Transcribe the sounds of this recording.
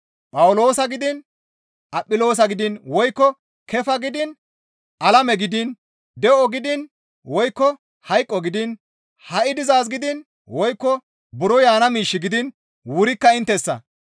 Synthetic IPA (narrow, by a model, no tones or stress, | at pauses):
pʼɐwʊlo̞ːsɐɡɪd̪ɪn | ʔɐpʼːɪlo̞ːs̬ɐɡɪd̪ɪnwɔjkːɔ | kʰɛfɐɡɪd̪ɪn | ʔɐlɐmɛɡɪd̪ɪn | d̪ɛʔɔɡɪd̪ɪn | wɔjkːɔ | hɐjkʼːɔɡɪd̪ɪn | hɐʔɪd̪ɪzaːs̬ɡɪd̪ɪn | wɔjkːɔ | bʊɾɔjaːnɐmiːʃːɪɡɪd̪ɪn | wʊɾɪkːɐɪnt̪ːɛsːɐ̰